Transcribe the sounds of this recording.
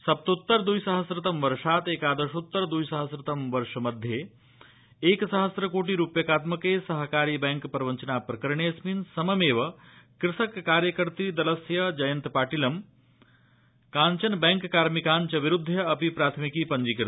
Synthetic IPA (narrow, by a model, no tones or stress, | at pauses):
sɐp̚t̪ut̪ːɐɾd̪ujsɐɦɐsɾɪt̪ɐmʋɐɾʂaːt̪eːkaːd̪ɐɾʃut̪ːɐɾd̪ujsɐɦɐsɾɪt̪ɐmʋɐɾʂɐmɐd̪ʱːje | eːksɐɦɐsɾɐkoːʈiɾupjɐkaːt̪mɐkeːsɐɦkaːɾiːbeŋkpɐɾʋɐɲt͡ʃɐnaːpɾɐkɐɾɳeːsminsɐmɐmeːʋɐ | kɾɪsɐkːaːɾjɐkɐɾt̪id̪ɐlɐsjɐd͡ʒɐjɐnt̪paːʈilɐm | kaːɲt͡ʃɐnbeŋkkaːɾmikaːɲt͡ʃɐʋiɾud̪ʱːjɐɐpipɾaːt̪ʰmikipɐɲd͡ʒikɾ